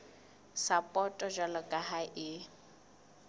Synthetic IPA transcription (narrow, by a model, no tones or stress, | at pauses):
sapʼɔtʼɔʒalɔkʼaɦaʔɪ